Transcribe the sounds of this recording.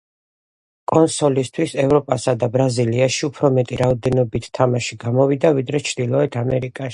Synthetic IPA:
kʼɔnsɔlist̪ʰwisɛvɾɔpʼasad̪abɾaziliaʃiupʰɾɔmɛt̪ʼiɾaɔd̪ɛnɔbit̪ʰːamaʃiɡamɔvid̪avid̪ɾɛt͡ʃʰd̪̥ilˠɔɛt̪ʰamɛɾikʼaʃi̥

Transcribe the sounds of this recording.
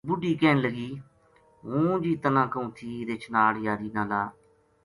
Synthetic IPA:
bʊɖiːkɛːnləɡiː | ɦũːd͡ʒiːt̪ənãːkəũːt̪ʰiːɾeːt͡ʃʰnaːljaːɾiːnãːlaː

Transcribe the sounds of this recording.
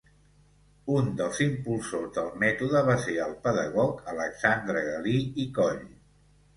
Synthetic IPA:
und̪əlˠzimpulˠsozðəlˠmɛt̪uðəβaseəlˠpəðəɣ̞ɔkələksand̪ɾəɣəliikɔʎ

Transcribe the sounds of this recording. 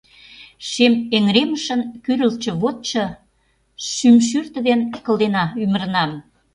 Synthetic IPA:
ʃemeŋɾeməʃə̆nkyɾəlt͡ɕə̆βot̪̚t͡ɕɤ̆ | ʃymʃ̬yrt̪ə̆d̪enkə̆ld̪enɑymə̆ɾənɑm

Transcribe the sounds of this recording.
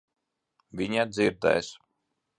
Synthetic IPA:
vʲiɲad̪ziɾd̪ɛ̰js

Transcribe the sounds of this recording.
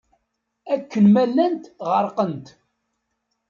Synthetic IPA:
ækːənmælːænt̪ʁəɾˤqənt̪

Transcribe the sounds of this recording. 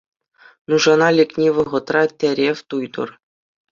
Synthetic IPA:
nuʐɑnɑlʲĕkʲnʲeʋɤ̆ʁɤ̆t̪rɑt̪ʲeɾʲefʲt̪ujd̪ɤ̰̆r

